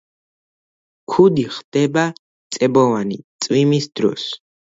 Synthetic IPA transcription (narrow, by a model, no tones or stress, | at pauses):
kʰud̪iχd̪̥ɛba | t̪sʼɛbɔvanit̪sʼwimisd̪ɾɔ̰s